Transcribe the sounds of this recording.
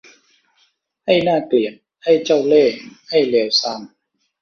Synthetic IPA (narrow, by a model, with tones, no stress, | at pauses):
ha˥˩jnaː˥˩kli˨˩ən̚ | ha˥˩jt͡ɕa˥˩wleː˥˩ha˥˩jli˨˩˦wsa˧˩m